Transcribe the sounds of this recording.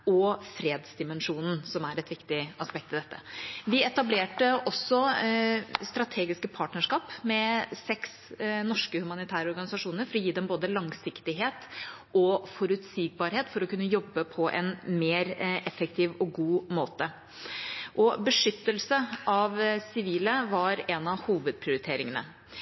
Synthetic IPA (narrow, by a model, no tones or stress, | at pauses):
ɔfɾeːd̪sd̪ɪmɛnʂuːnn̩sɔmæɾɛt̪ʋɪkt̪ɪɑspɛk̚t̪ɪd̪ɛt̪ːəʋɪɛt̪ɑbleːʈəʔɔsːɔ | st̪ɾɑt̪ʰeːɡɪskəpʰɑːʈnəʂkɑːpmɛsɛks | nɔʂkəhʉmɑnɪt̪ʰæːɾəɔɾɡɑnɪsɑʂuːnəɾfɔɾɔjiːd̪ɛmboːd̪əlɑŋsɪkt̪ɪɦeːt̪ | ʔɔfɔɾʉt̪siːɡ̚bɑːɾheːt̪fɔɾɔkʉnːəjɔbːəpʰɔʔɛ̰nmeːɾɛfːək̚t̪ʰiːʋɔɡuːmoːt̪ə | ʔɔbəʂʏt̪ːəlsəɑʋsɪʋiːləʋɑɾɛnɑʋhuːʋəd̪̚pʰɾɪʊɾɪt̪ʰeːɾɪŋənə̰